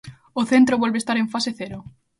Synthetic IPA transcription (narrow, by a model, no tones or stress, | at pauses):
oθent̪ɾoβwelβest̪aɾeɱfaseθeɾo